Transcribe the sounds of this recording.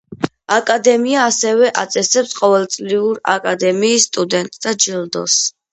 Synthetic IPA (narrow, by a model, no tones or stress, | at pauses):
akʼad̪ɛmiaːsɛvɛʔat̪sʼɛsɛpsqʼɔvɛlˠt̪sʼliuɾa̰kʼad̪ɛmiːsːt̪ʼud̪ɛnt̪ʼd̪ad͡ʒilˠd̪ɔ̰s